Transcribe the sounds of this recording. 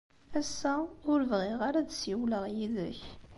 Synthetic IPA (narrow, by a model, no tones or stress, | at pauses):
æsːæʊɾvʁɪʁaɾæd̪siwləʁjiðə̰ç